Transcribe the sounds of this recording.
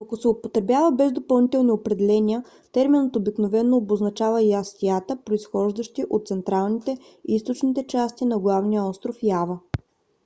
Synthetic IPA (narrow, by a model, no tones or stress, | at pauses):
ɐkosɛopot̪ɾɛbʲjavəbɛzd̪opɐlˠnit̪ɛlˠniopɾɛd̪ɛlɛniə | t̪ɛɾminət̪obiknovɛnːoːboznɐt͡ʃavəjast̪iat̪əpɾoisxɔʒd̪əʃt̪iʔot̪t̪sɛnt̪ɾalˠnit̪ɛ | ist̪ot͡ʃnit̪ɛt͡ʃast̪inɐɡlˠavnijəɔst̪ɾofjavə